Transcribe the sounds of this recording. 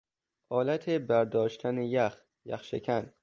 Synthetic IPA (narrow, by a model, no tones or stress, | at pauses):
ʔɒːlæt̪ʰebæɾd̪ɒːʃt̪ʰænejæx | jæ̰xʃekʰæn